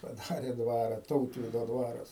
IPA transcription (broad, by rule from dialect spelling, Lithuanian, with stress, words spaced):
pɐˈdɑːrʲɛ ˈdʋɑːrɐ ˈtɐʊtʲʋʲiːdoː ˈdʋɑːrɐs